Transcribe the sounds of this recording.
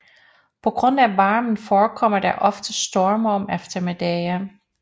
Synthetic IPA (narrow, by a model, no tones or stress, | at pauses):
pʰɒ̽ɡ̥ʁɔ̽n̰æʋɑ̈ːmən̩fɒːkʰɒ̽m̰ɐd̥æʔɒ̽fd̥əsd̥ɔɐmɐɒ̽mefd̥ɐmed̥ɛjɐ